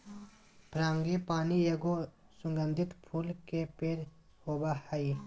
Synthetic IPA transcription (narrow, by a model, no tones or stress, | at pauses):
pʰɾaːŋɡepaːnijɐɡo | sʊŋɡə̃nd̪ʱɪt̪pʰuːlkepeɾ | hoːbahəi